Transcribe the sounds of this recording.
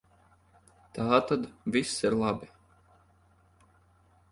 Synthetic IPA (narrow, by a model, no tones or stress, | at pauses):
t̪aːt̪ad̪visːiɾlˠabi